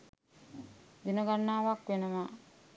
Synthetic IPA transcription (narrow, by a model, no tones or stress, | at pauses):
dinəɡanːaːʋakʋenəma